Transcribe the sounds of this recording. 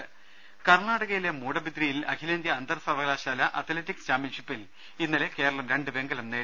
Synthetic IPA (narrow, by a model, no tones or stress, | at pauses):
kɐrɳaːɽɐɣɐjile̞muːɽɐbit̪rijilɐkʰilɐnd̪jɐɐnd̪ɐrsɐʋɐɣlaːɕaːlɐʔɐt̪ʰletːikst͡ɕaːmjɐnʂipːil | inːɐle̞ke̞ːɾɐɭɐmɾe̞ɳɖɨʋe̞ŋɡɐlɐmneː